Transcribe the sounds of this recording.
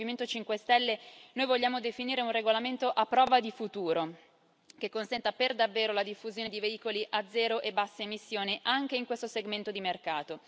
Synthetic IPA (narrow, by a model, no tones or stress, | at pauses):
iment̪ot͡ʃiŋkwest̪ɛlːenojvoʎːaːmod̪efiniːɾeunreɡolament̪oʔapːɾɔːvad̪ifut̪uːɾo | k̟ekːonsɛnt̪aperd̪avːeːɾolad̪ifːuzjoːned̪iveiːkoliʔad̪zːɛːɾoʔebasːeemisːjoːniʔaŋk̟eiŋkwest̪oseɡment̪od̪imerkaːt̪o